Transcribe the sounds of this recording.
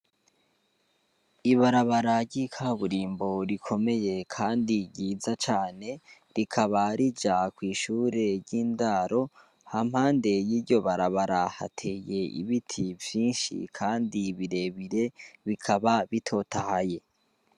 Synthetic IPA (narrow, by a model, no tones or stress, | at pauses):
iβaɾaβaɾaɾɟikʰaβuɾiːmbo̞ɾikʰo̞me̞je̞kʰaːndiɟiːzat͡ʃaːne̞ | ɾikʰaβaɾid͡ʒakwiːʃuːɾe̞ɾɟiːndaːɾo̞ | ham̥haːnde̞jiːɾɟo̞βaɾaβaɾaha̰tʰe̞ːje̞ʔḭβitʰivjiːnʃḭkʰaːndiβiɾe̞βiɾe̞βikʰaβaβitʰo̞tʰahaje̞